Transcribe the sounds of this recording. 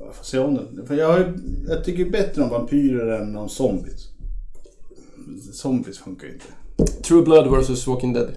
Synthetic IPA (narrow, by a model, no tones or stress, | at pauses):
foːseːɔmd̪ɛnfɑjɑːɡhajjɑt̪ʰʏk̬ːəbɛt̪ːɾəɔmvampʰyːɾəɾɛnɔmsɔmbɪs | sɔmbɪsfɵŋkaɾɪ̰nt̪ʰə̥t̪ʰɹuːblad̪wɛsɔswɔkɪ̃ŋd̪ɛd̪